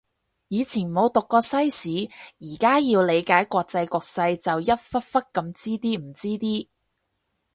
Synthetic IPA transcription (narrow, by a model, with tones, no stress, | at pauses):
jiː˨˧t͡sʰiː˨˩nmo˨˧wt̪ʊ˨kːɔː˧sɐ˥jsiː˨˥jiː˨˩kaː˥ji˧wle˨˧jkaː˨˥jkʷɔː˧k̚t͡sɐ˧jkʷɔː˧k̚sɐ˧jt͡sɐ˨wjɐ˥t̚fɐ˥t̚fɐ˥t̚kɐ˧mt͡siː˥t̪iː˥m̩˨˩t͡siː˥t̪iː˥